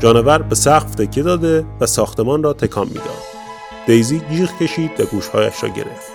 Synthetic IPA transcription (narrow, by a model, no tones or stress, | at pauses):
d͡ʒɒːnevæɾbe̞sæɣft̪ʰe̞cʰːe̞d̪ɒːd̪e̞væsɒːxt̪e̞mɒːnrɒːt̪ʰe̞kʰɒːmːḭːd̪ɒ̰ːd̪ | d̪̥ejziːɡiːɣcʰe̞ʃiːd̪væɡuːʃhɒːjæ̰ʃɾɒ̰ːɟe̞̰ɾe̞̰ft̪